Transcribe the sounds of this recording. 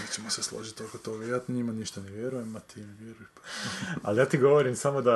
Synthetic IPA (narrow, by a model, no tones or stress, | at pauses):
et͡ɕemoseslˠo̰ʒit̪ːokot̪oɡajat̪ɲimaniʃt̪aneʋje̞ɾujemat̪ineʋjeɾujeʃ | aljaːt̪iɡo̞ʋoɾimsamo̞d̪a